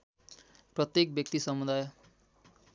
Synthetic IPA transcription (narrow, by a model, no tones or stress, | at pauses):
prʌt̪jek̚bjʌk̚t̪isʌmud̪aj